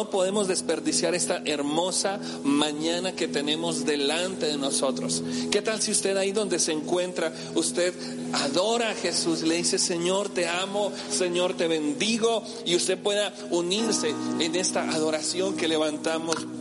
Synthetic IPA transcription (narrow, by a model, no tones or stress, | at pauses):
opo̞ðe̞mo̞zðe̞spe̞ɾðisjaɾe̞st̪aʔe̞ɾmo̞sa | mãɲanake̞t̪e̞ne̞mo̞zd̪e̞lant̪e̞ðe̞no̞so̞t̪ɾo̞ske̞t̪alsiust̪e̞ðaiðo̞nd̪e̞se̞ːŋkwe̞nt̪ɾa | ust̪e̞ð | aðo̞ɾaxe̞susle̞ðise̞se̞ɲo̞ɾt̪e̞amo̞ | se̞ɲo̞ɾt̪e̞βe̞nd̪iɣo̞ | iust̪e̞ð̚pwe̞ða | uniɾse̞ːne̞st̪aʔaðo̞ɾasjo̞ŋke̞le̞βant̪amo̞s